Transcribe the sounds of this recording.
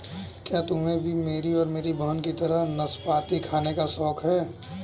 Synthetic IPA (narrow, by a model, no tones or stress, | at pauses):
kjaːt̪ʊmẽbʱimeːɾiɔːɾmeːɾibɐɦənkit̪ɐɾənɐspaːt̪ikʰaːnekasɔːkʰɦɛː